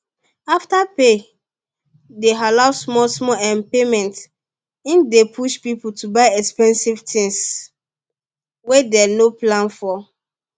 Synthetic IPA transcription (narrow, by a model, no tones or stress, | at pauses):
aftape | deɦalaʊsmɔsmɔɛ̃npemɛ̃nt | ĩndepʰuʃpiputubaɪɛkspɛ̃nsivtʰĩŋs | wedɛnoplãnfɔ